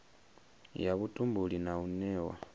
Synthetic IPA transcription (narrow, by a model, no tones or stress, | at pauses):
jaβutʼumbulinaβunɛwa̰